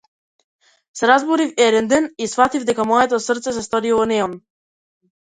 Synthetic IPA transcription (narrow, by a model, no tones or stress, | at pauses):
sɛɾazbɔɾifɛd̪ɛnd̪ɛnisfat̪ivd̪ɛkamɔɛt̪ɔsr̩t̪sɛs̬ɛst̪ɔɾilˠɔnɛɔm